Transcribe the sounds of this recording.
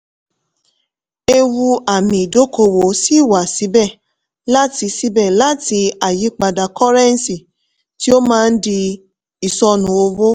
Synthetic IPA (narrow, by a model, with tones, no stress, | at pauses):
e˧wu˧a˨mĩ˨i˨do˨˦ko˧wo˨˦si˦i˦˨wa˨si˨˦bɛ˦˨ | la˦ti˧si˨˦bɛ˦˨la˦ti˧a˨ji˨˦k͡pa˧da˨kɔ˦ɾɛ˦n˦si˨ | ti˦o˦mãː˦˧n̩˦di˧ | i˨sɔ˧nũ˨˦o˧wo˦